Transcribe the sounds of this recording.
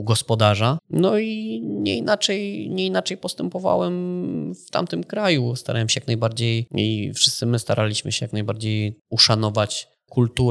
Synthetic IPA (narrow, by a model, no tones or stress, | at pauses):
uɡɔspɔd̪aʐanɔiɲɛ̰inat͡ʂɛjɲɛinat͡ʂɛjpɔst̪ɛmpɔva̰wɛmft̪a̰mt̪ɘmkɾajust̪aɾa̰wɛmɕɛjaknajbaɾd͡ʑejifʂɘst̪sɘmɘst̪aɾʔalʲiɕmɘ̰ɕɛjaknajbaɾd͡ʑejuʂanɔvat͡ɕ | kult̪u